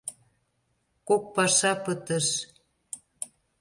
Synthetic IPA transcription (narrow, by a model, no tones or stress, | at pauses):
kok̚pɑʃɑpət̪əʃ